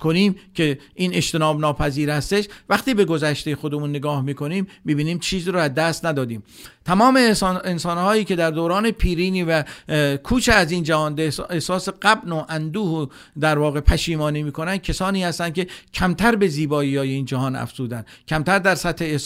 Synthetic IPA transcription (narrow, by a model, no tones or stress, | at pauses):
kʰoniːmkʲʰe̞ʔiːneʃt̪e̞nɒːbnɒːpʰæziːɾhæst̪e̞ʃvæχt̪iːbe̞ɡo̞zæʃt̪ejexo̞d̪emunːeɡɒːhmiːko̞niːmːibiːniːmt͡ʃʰiːziːɾoæzd̪æst̪næd̪ɒːd̪iːmt̪ʰæmɒːmeensɒːnhɒːjiːke̞d̪æɾd̪oːɾɒːnepʰiːɾiːniːvækʰuːt͡ʃʰeæziːnd͡ʒæhɒːnd̪eehsɒːseɢæbnoʔænd̪uːh | d̪æɾvɒːɣe̞pʰæʃiːmɒːniːmiːkʰo̞nænd̪̚cʰesɒːniːhæst̪ænd̪kʲʰe̞cʰæmt̪ʰæɾbe̞ziːbɒːijɒːjeiːnd͡ʒæɦɒːnæ̰fz̥uːd̪ænd̪kʰæmt̪ʰæɾd̪æɾsæt̪ʰheː